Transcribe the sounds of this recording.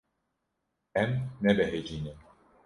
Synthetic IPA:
ɛmnɛbɛɦed͡ʒiːnim

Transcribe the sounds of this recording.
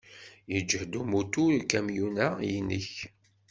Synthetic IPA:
jəd͡ʒəhd̪umut̪ukæmjunæjənə̰ç

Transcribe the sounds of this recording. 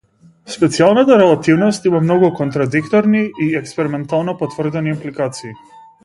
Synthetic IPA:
spɛt̪sialˠnat̪aɾɛlˠat̪ivnɔst̪imamnɔɡukɔnt̪ɾad̪ikt̪ɔɾniiɛkspɛɾimɛnt̪alˠnɔpɔt̪vr̩d̪ɛniːmplikat̪siː

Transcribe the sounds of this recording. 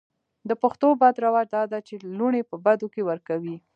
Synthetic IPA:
d̪əpaxt̪obad̪ɾawɑd͡ʒd̪ɑd̪at͡ʃeluɽepəbad̪okewəɾkawi

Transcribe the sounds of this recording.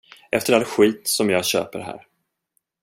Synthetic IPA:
ʔɛft̪əɾalɧiːt̪sɔmjɑːɡɕø̰ːpəɾɦæ̰ːɾ

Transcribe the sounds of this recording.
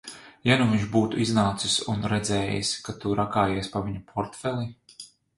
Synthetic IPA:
januviɲʒbuːt̪uiznaːt̪sisunɾɛd̪zɛːjḭskat̪uɾʔakaːjeɛspaviɲupʰɔɾt̪fɛlˠi

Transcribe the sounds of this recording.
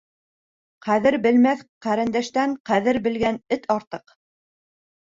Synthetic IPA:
qæðɘɾbɘ̆lmæθqæɾɘ̆nd̪æʃt̪æɴqæðɘɾbɘ̆lɡænɘt̪ʰɑɾt̪ɤq

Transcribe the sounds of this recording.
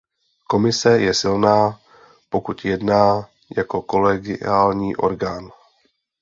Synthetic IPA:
ko̞mɪsɛjɛsɪlnaː | po̞kut̪jɛdnaː | jako̞ko̞lɛɡɪ̰aːlɲiːʔo̞̰ɾɡaːn

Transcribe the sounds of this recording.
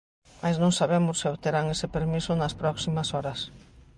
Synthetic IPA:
majznõŋsaβemʊsːɪoβt̪eɾaŋesɪpeɾmisʊnɐspɾɔksimɐsɔɾɐs

